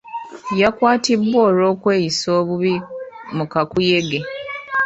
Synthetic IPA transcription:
jakwaːtibwoːɾo̞ːkwe̞ːjisoːβuβi | mukakujeɡe

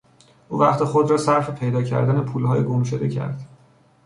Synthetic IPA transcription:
ʔuːvæχt̪exod̪ɾɒːsæɾfepʰe̞jd̪ɒːcʰæ̰ɾd̪æne̞pʰuːlhɒːjeɡomʃo̞d̪e̞̰cʰæ̰ɾd̪̥

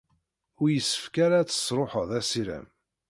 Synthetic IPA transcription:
ʊɾjəsːə̥fkaɾat͡sːə̥sɾˤoħəðˤæsiɾæ̰m

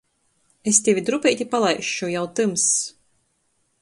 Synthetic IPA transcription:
est̪ʲevʲid̪ɾupɛjt̪ʲipalˠajʃujawt̪ɨms

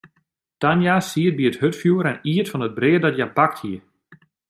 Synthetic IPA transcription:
tanjasiət̚biəthøtfjuəɾɛniətfɔnəd̚brɪːədɔtjapak̚thiə

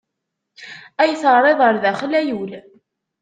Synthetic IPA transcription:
æjθərˤːeðˤəɾˤðæχlæjul

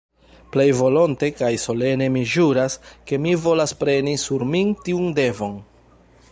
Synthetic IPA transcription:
ple̞jvo̞lo̞nte̞kajso̞le̞ne̞miʒuɾaske̞mivo̞laspɾe̞nisuɾmintiunde̞vo̞n

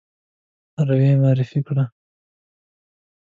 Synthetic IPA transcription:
aɾaweːmɑːɾɪfikɽa

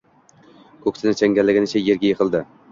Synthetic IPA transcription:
kʰɵkʲsʰɪnɪt͡ʃʰæŋɡʲælːɪɡʲɪnɪt͡ʃʰɛjeɾɡʲɛjeqʰəlˠd̪ɪ

